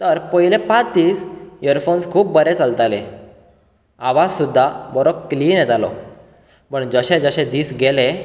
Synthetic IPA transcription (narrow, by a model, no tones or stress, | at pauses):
t̪əɾpəɦilepat͡sd̪iːsjəɾfonskʰuːp̚bəɾet͡salt̪ale | aʋassud̪ʱːabəɾobkliːnjɛt̪alɔ̰ | pəɳd͡zəɕẽd͡zəɕẽd̪iːsɡelẽ